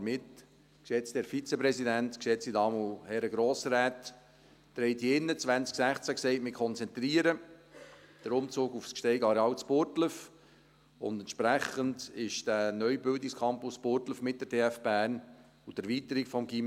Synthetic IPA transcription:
mɪt | kʃɛt͡stɛːɾfit͡sɛpɾɛsidæntkʃɛt͡stidɑːmuhɛɾəɡɾoːsɾɛːtː | ɾɛɪtiɪnːət͡svænt͡sksæχt͡sæksɛɪt̚mɪkʰχɔnt͡sɛnt̪ɾiəɾə | d̥əɾʊmt͡suːɡufskʃtɛɪɡɑɾeɑːwt͡spʊɾtləf | ʊ̰ndɛntʃpɾæχəndɪʃd̥ænœʏbɪldɪkskʰɑmpʊspʊɾtləfmɪt̚d̥əɾdeːæfb̥æːɾn | utɛɾviːtəɾikfɔmɡim

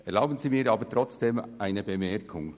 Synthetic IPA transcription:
ʔɛʁlaʊbn̩ziːmiːɾʔɑːbətʁɔt͡sd̥eːmʔaɪnəbemɛɾkʰʊŋ

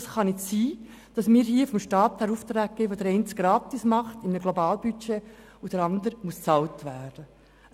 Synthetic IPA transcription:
sχɑnɪtsiː | d̥ɑsmiːɾhiːəfɔmʃtɑːthæɾuːft̪ɾæːɡ̚ɡ̥eːʋodəɾɛɪntɡ̥ɾɑːt̪ismɑχtɪmənəɡlobɑːlbyt͡ʃe | ʊd̥əɾɑndəɾmust͡sɑltʋæːɾd̥ə

